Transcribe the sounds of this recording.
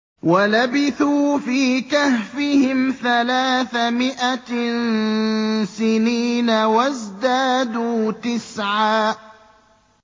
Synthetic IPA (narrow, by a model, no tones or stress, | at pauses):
walabɪθuːfiːkahfɪhɪmθalaːθamɪʔan | sɪniːnawazd̪aːd̪uːt̪ɪsʕaː